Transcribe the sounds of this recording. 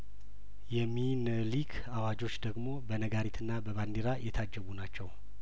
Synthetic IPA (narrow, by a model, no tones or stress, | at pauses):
jɛminəlikʰ | awad͡ʒo̞t͡ʃːd̪əɡmo̞bənəɡaɾit̪ʰɨnːabəβand̪iɾajɛt̪ʰad͡ʒːəβunat͡ʃːɛw